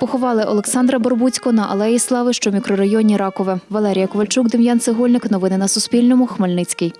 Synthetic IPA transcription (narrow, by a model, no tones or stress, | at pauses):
pɔxɔʋɑlˠɪʔɔ̰lˠeksɑnd̪ɾɐbɔrbut͡sʲkɔnɐʔɐ̰lˠɛjislˠɑʋɪʃt͡ʃɔmʲikɾɔɾɐjɔnʲiɾɑkɔʋɪʋɐlˠɛɾʲijɐkɔʋɐlʲt͡ʃukd̪ɪmjɑnt̪sɪɦɔlʲnɪknɔʋɪnɪnɐsʊspʲilʲnɔmʊxmelʲnɪt͡sʲkɪj